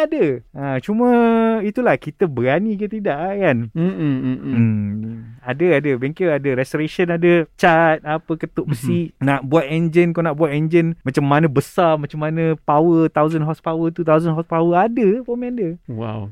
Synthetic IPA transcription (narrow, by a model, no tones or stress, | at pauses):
adəat͡ʃumə̃it̪ulahkit̪əbəɾanikit̪idaʔkan̩ | adəadəbeŋkeadəɾɛstoɾeʃənadət͡ʃat̪̚apəkət̪oʔbəsinaʔbuat̪ɛnd͡ʒənkonaʔbuat̪ɛnd͡ʒənmãt͡ʃamːanə̃bəsarmat͡ʃamːanə̃pawət̪awzənɦɔspawət̪ut̪awzənɦɔspawəadəpɔmandəwa̰w